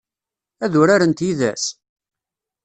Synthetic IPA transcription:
æðʊɾaɾənt̪jiðæ̰s

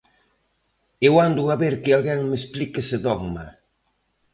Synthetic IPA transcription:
ewand̪ʊaβeɾkɪalɣɛŋmesplikeseðɔɣma

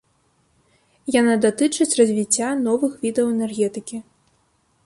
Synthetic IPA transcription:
janad̪at̪ɨt͡ʂɨt͡sʲrɐzʲvʲit͡sʲːanɔvɨxvʲid̪ɐwɛnɛrɣʲɛt̪ɨkʲi

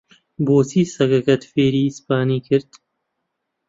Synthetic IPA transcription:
boːsiːsɐɡɐkɐt̪feːɾiːspaːniːkʰɨɾd̪

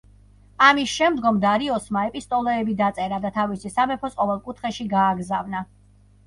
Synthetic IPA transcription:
amisʃɛmd̪ɡɔmd̪aɾiɔsmaɛpʼist̪ʼɔlɔɛbid̪at̪sʼɛɾad̪at̪ʰavisisamɛpʰɔsqʼɔvɛlˠkʼut̪ʰχɛʃiɡaːɡzavna

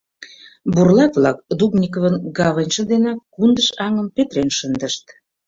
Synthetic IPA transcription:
burlɑk̪βlɑk̚d̪ubnʲik̬ovənɡɑβənʲʃə̆d̪enɑkːund̪əʃɑŋə̆mpet̪ɾenʃənd̪əʃt̪̚

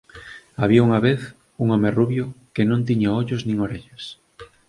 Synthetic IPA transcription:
aβiauŋaβeθ | uŋɔmeruβjʊkenõnt̪̬iɲaoʎoznĩŋoɾeʎas

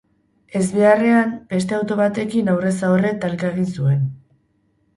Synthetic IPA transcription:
e̞zβe̞are̞amb̥e̞st̪e̞awt̪o̞βat̪e̞kinawre̞saore̞t̪alkaeɣ̞insue̞n

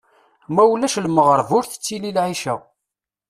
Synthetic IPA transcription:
mæwlːæʃlməʁəɾˤvʊɾθə̥t͡sːililʕiʃæ

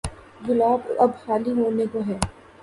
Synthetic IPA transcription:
ɡʊlaːbɐbhaːliɦoːnekoɦɛː

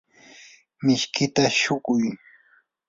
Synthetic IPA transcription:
mɪʃkʰɪt̪aʃʊkʊj

